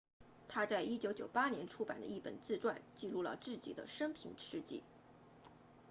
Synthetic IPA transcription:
t̪ʰa˥t͡sa˥˩ɪʔi˥t͡ɕjo˧˥ʊt͡ɕjo˨˩ʊpa˥njɛ˧˥nʈ͡ʂʰu˥pa˨˩nd̪ə̰˦i˥˩pə̰˨˩nt͡sɹ̩˥˧ʈ͡ʂwa˥˧nt͡ɕi˥˧lu˥˩lə̰˩ʈ͡ʂɻ̩˥˩t͡ɕḭ˨˩d̪ə̰˦ʂɤ˥ŋpʰḭ˧˥ŋʈ͡ʂʰɻ̩˥t͡ɕḭ˥˩

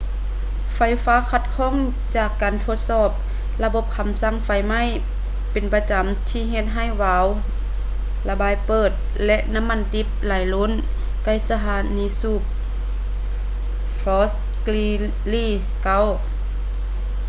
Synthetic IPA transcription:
fa˧˩jfaː˧˥kʰa˧t̪̚kʰɔː˧˥˨ŋ | t͡ɕaː˧˩kːaː˨nt̪ʰo˧˦t̪̚sɔː˧˩p̚ | la˧bo˧˦p̚kʰa˧˦msa˧˥˨ŋfa˧˩jma˧˥˨j | pe˨npa˧t͡ɕa˨mt̪ʰiː˧˩ɦe˧t̪̚ɦa˧˩jwaː˨˧˦w | la˧baː˨˧˨jpɤː˧˩t̪̚ | lɛ˧ʔna˧˥˨mːa˧˥˨nt̪i˧˥p̚laː˨˩jlo˧˥˨n | ka˧˩˨jsa˧ɦaː˨˧˦niː˧˥suː˧˩p̚ | fɔː˧˥s | kli˧ | liː˧˩ | ka˧˥˨w

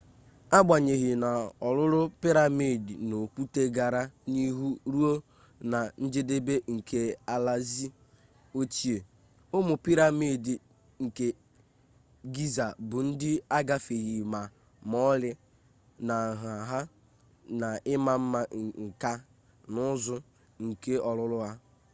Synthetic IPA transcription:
a˦ɡ͡bʷa˨ɲe˨ɣi˨na˨ɔ˨lʊ˦ɾʊ˦pi˦ɾa˨mi˦˨di˨no˨kʷu˦te˦ɡa˨ɾa˦ni˦ɦu˦ɾu˦o˦ | na˨n̩˦d͡ʒe˦de˦be˦ŋ̩˨kʰe˨a˨la˦zi˦ | o˦t͡ʃi˦e˨ | ʊ˦mʊ˨pi˦ɾa˦mi˦˨di˨ | ŋ̩˨ke˨ | ɡi˦za˨bʊ˨n̩˦dɪ˦a˦ɡa˦fi˨ɣi˨ma˨ | mɔ˦lɪ˦ | na˨ɦa˨ɦa˦ | na˨ɪ˦ma˨m̩˦ma˦˨ŋ̩˨ka˦ | nʊ˦zʊ˦ | ŋ̩˨ke˦ɔ˨lʊ˦lʊ˦ɦa˦

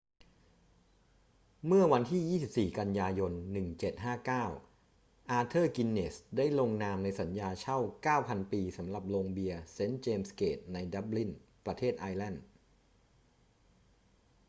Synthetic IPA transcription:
mɯ˥˩ɐwa˧nt̪ʰiː˥˩jiː˥˩si˨˩p̚siː˨˩ka˧njaː˧jo˧nːɯ˨˩ŋt͡ɕe˨˩t̪̚ɦaː˥˩kaː˥˩w | ʔaː˧t̪ʰɤː˥˩ki˧nːe˨˩sdaː˥˩jlo˧ŋnaː˧mna˧jsa˩˦njaː˧t͡ɕʰa˥˩wkaː˥˩wpʰa˧npiː˧sa˩˦mɾa˨˩p̚loː˧ŋbi˧ɐse˦˥nt͡ɕeː˧mskeː˨˩t̪̚na˧jda˦˥p̚li˥˩npɾa˧t̪ʰeː˥˩t̪̚ʔaː˧jlɛ˥˩n

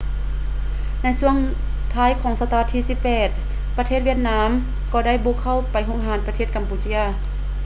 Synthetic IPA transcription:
na˧˥jsu˧˩əŋ | t̪ʰaː˧˥jkʰɔː˨˦ŋsa˧t̪a˧a˧t̪ʰːiː˧˩siː˧˥ppːɛː˨˩t̪̚ | pa˧t̪ʰeː˥˩ʋi˧˥ət̪̚naː˧˥m | kɔː˧˩da˥˩jboː˧˦kʰa˥˩wpa˨jɦo˧˥˨ŋɦaː˩˦npa˧t̪ʰeː˧˩t̪̚ka˨mpuː˧˦t͡ɕi˧˥˨ɐ

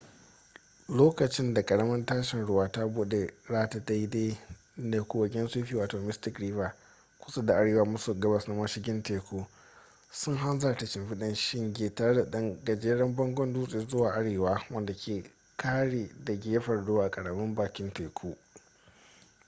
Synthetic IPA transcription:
loː˦kɐ˨t͡ʃɪ˦nda˨kʼɐ˨ɽɐ˦mɐ˦ntaː˦ʃɪ˨nɽʊ˦waː˦ta˦buː˦ɗe˨zaː˦ta˨da˦jdeː˦ | ne˨kʷu˦wɐ˨ɡʲɛ˦nsuː˦ɸiː˦waː˨toː˨mɪ˦stɪ˦kɾiː˦vaː˨ | kʷʊ˦sa˦da˨ʔa˦ɽeː˨waː˦mʊ˦su˨ɡɐ˦bɐ˨sna˦mɐ˦ʃɪ˦ɡʲɪ˦nteː˨kʰʷoː˦ | sʊ˦ŋɦa˦nza˨tɐ˨t͡ʃɪ˨mɸɪ˦ɗɪ˦nʃɪ˦ŋɡʲeː˨taː˨ɽɐ˦da˨ɗɐ˦ŋɡɐ˨d͡ʒeː˦ɽɐ˦mbɔ˦ŋɡʷɔ˦nduː˦sʼeː˨zʊ˦waː˨ʔa˦ɽeː˨waː˦wɐ˦nda˨kʲʰeː˨ | kʰaː˦ɽeː˨da˨ɡʲe˦jɸɐ˨rdoː˦ʔa˨kʼɐ˨ɽɐ˨mɐ˦mbaː˨kʲɪ˦nteː˨kʰuː˦

